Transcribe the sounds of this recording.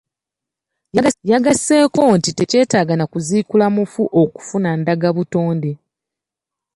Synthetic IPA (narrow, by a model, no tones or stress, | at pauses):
jaɡasːe̞ːko̞ntite̞ce̞ːtaːɡanakuziːkulamufuʔo̞ku̥funandaɡaβuto̞ːnde̞